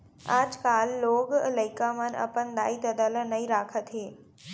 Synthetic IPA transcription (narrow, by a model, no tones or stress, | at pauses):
a̰ːd͡ʒkaːlːoːɡlɐɪkamənɐ̰pənd̪a̰ːit̪ɐd̪aːlənɐĩɾaːkʰət̪ʰeː